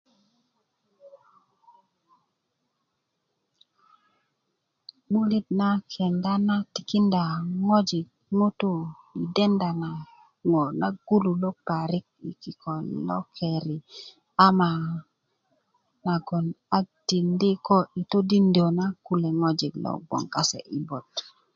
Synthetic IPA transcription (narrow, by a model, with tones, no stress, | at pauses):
ɓu˦li˦t̚na˦kʰɛ˨nda˦na˦tɪ˨ki˦nda˨ŋɔ˦d͡ʒɪ˨k̚ŋu˦tu˦ | i˨dɛ˦nda˨na˨ | ŋo˨na˦ɡ̥u˦lu˨lo˦pa˨ɾi˦k̚i˨ki˨ko˨lɔ̰˦kʰe˨ɾi˨ | a˦ma˨ | na˨ɡo˨n | a˦k̚ti˨ndi˦ko˦i˨to˦di˦ndi˨o˨na˦ku˦le˨ŋo˦d͡ʒi˨ɡlɔ̰˨ɡ͡bɔ̰˨ŋka˦sḛ˨ʔi˨bo˨t